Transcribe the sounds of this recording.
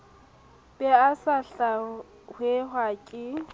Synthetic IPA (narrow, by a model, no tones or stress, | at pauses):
bʼɛasaɬa | hweɦwakʼɪ